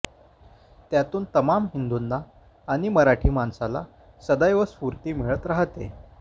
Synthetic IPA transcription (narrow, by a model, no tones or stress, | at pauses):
t̪jat̪uːnt̪əmamɦind̪unːaː | ɽ̃iməɾaʈʰiːmansala̰ | səd̪ajʋəspuɾt̪iːmiɭət̪ɾaɦt̪ḛ